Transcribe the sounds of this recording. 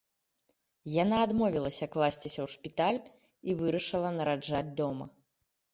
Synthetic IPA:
janaːd̪mɔvʲilˠɐsʲɐklˠasʲt͡sʲisʲɐwʂpʲit̪alʲ | ivɨɾɐʂɨlˠɐnɐɾad͡ʐad͡zʲd̪ɔmɐ̰

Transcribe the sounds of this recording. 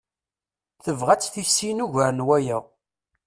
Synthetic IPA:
θəvʁæt͡sːθisːinuʝæɾnwæjæ

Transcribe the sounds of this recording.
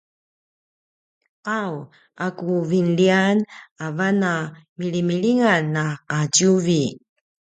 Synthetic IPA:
ʔaw | akuvinlianavanamiɭimiɭiŋanːaqatjuvi

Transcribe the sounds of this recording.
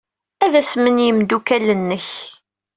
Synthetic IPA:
æðæsmənjəmd̪ukælənːəç

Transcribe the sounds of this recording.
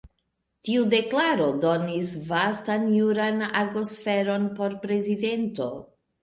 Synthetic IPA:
tiude̞klaɾo̞do̞nisvastanjuɾanaɡosfe̞ɾo̞npo̞ɾpɾe̞zide̞nto̞

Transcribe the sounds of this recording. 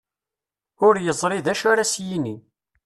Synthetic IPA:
ʊɾjəzˤɾiðæʃaɾasjini

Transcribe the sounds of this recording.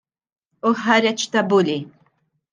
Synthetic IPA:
ʊħɐɾɛt͡ʃt̪ɐbʊli

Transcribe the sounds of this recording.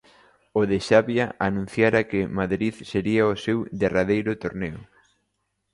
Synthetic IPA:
ʊðɪʃaβjaʔanũn̟θjaɾakɪmaðɾiðseɾiaosewd̪eraðejɾʊt̪oɾneʊ

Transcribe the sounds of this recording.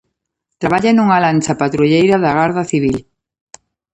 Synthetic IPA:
t̪ɾaβaʎanuŋalant͡ʃɐpat̪ɾuʎejɾɐðaɣaɾðɐθiβ̞il

